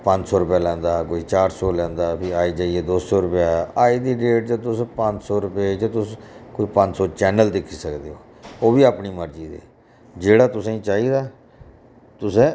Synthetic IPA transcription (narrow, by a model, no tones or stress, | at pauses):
pə̃ɲt͡ʃsɔːɾʊpjaːlɛ̃ːnd̪aːkoːiːt͡ʃaːɾsɔːlɛ̃ːnd̪aːpʰɪaːiːd͡ʒaːieːd̪oːsɔːɾʊpjaːaːiːd̪iːɖeːʈ̚t͡ʃət̪ʊspəɲt͡ʃsɔːɾʊpet͡ʃt̪ʊskoiːpə̃ɲt͡ʃsɔːt͡ʃɛːnəld̪ɪkʰːiːsəkd̪eːoː | oːbiːaːpniːməɾd͡ʒiːd̪ḛː | d͡ʒeːɽaːt̪ʊsːĩːt͡ʃaːiːd̪aː | t̪ʊsẽː